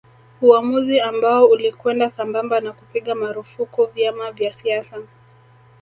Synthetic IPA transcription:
uamuziambaɔulikwɛndasambambanakupiɠamaɾufukuvjamavjasiasa

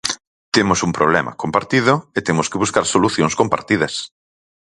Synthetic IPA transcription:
t̪emʊsumpɾoβ̞lɛmʔɐ̰kompaɾt̪iðʊet̪emʊskɪβuskaɾsoluθjoŋskompa̰ɾt̪ið̞ɐs

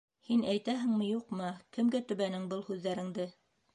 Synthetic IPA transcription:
hinæjt̪æɦɘ̆ŋmɘ̆juqmɤkɘ̆mɡæt̪ɵ̆βænɘŋbɤlˠhʉðːæɾɘ̆ŋd̪ɘ

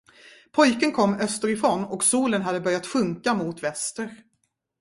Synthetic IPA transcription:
pʰɔjkənkʰɔmːœst̪əɾɪfɾoːnɔksuːlənɦad̪ːəbœɾjat̪ɧɵŋkamʊt̪vɛst̪əɾ

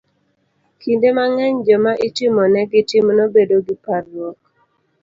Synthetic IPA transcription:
kindemaŋɛɲd͡ʒɔmaʔitɪmɔnɛɡitimnobedoɡiparwɔk̚

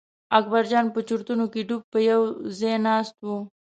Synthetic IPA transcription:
ak̚baɾd͡ʒɑnpət͡ʃuɾt̪unokeɖub̚pəjawzenɑst̪wu

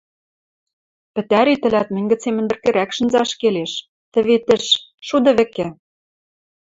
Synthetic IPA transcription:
pɘ̆t̪æɾit̪ɘ̆læt̪̚mɘ̆nʲɡɘ̆t͡semɘ̆nd̪ɘ̆rkĕɾækʃɤ̆nzɑʃkeleʃ | t̪ɘ̆βet̪ɘ̆ʃʃud̪ɤ̆βɘ̆kɘ̆

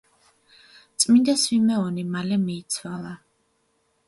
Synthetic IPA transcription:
t̪sʼmind̪aswimɛɔnimalɛmiːt̪sʰwalˠa

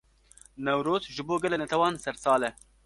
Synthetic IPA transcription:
nɛwɾoːzʒɨboːɡɛlɛnɛt̪ʰɛwɑːnsɛɾsɑːlɛ

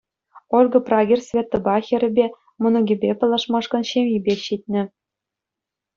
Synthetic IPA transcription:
orɡɤ̆prɑɡʲirʲsʲvʲet̪ːɤ̆bɑxʲĭɾʲɘ̆bʲe | mɤ̆nɤ̆ɡʲibʲepɤ̆lˠɑʂmɑʂkɤ̆nɕemʲjibʲeɕit̪̚ʲnʲɘ̆

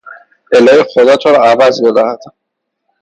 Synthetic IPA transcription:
elɒːjexo̞d̪ɒːt̪ʰoɾɒævæzbe̞d̪æhæd̪̥

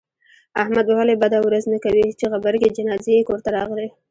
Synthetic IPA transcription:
ahmad̪walebad̪awɾaznakawit͡ʃeɣabaɾɡed͡ʒɪnɑzejekoɾt̪aɾɑɣli

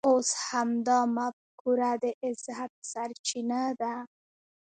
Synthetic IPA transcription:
oshamd̪ɑmafkuɾad̪əʔɪzat̪̚saɾt͡ʃinad̪a

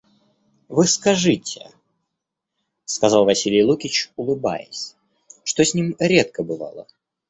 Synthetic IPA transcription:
vɨskɐʐɨtʲɪ̰ | skɐzɑlˠvɐsʲilʲɪjlˠukʲɪt͡ɕʊlˠɨba̰jɪ̰sʲ | ʂt̪osʲnʲimɾʲe̞t̪̚kəbɨvɑ̰lˠə̰

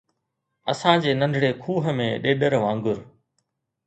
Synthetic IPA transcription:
ɐsãːd͡ʑeːnə̃nɖʱɽeːkʰuːɦə̆mẽːɗeːɗəɾʋãːŋɡʊɾ

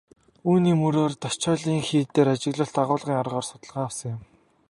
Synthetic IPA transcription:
uːniːmuɾoːrt̪ɔt͡ɕɔːɮiːŋxiːt̪ːeːɾat͡ɕɪ̆ɣɮə̆ɬt̪aʁʊːɮʁiːŋɔrʁɔːrsʊ̥t̪ə̆ɮʁaːwsə̆ŋjʊ̆m

